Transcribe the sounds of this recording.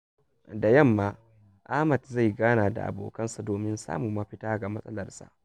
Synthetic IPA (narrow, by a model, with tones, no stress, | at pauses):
da˨jɐ˦˨mːaː˦ | ʔaː˦mɐ˨tza˦˨jɡaː˦naː˨da̰˨ʔa̰˨bo̰ː˨kɐ˦nsa˨doː˨mɪ˦nsa̰ː˦mu˨mɐ˦ɸɪ˦taː˦ɡa˨mɐ˦sʼɐ˦lɐ˨rsa̰˨ʔ